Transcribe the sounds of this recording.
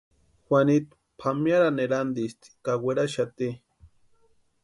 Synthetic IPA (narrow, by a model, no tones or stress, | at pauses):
xʷanit̪ | pʰamjaɾaneɾand̪ist̪i̥kaweɾaʃat̪i